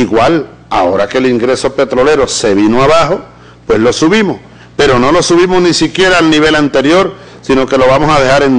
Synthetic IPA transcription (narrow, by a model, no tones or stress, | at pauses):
iɣwal | a̰o̞ɾake̞liŋɡɾe̞so̞pe̞t̪ɾo̞le̞ɾo̞se̞β̞inoaβ̞aɦo | pwe̞slo̞suβimoh | pe̞ɾo̞no̞lo̞suβ̞imohnĩsikje̞ɾaːlnĩβ̞e̞lant̪e̞ɾjo̞ɾ | sino̞ke̞lo̞β̞amosað̞e̞haɾen